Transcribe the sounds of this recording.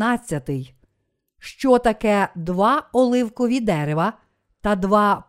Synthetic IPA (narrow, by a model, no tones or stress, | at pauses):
ɑt͡sʲːɐt̪ɪj | ʃt͡ʃɔt̪ɐkɛd̪ʋɑɔlˠɪwkɔʋʲid̪ɛɾeʋɐ | t̪ɐd̪ʋɑ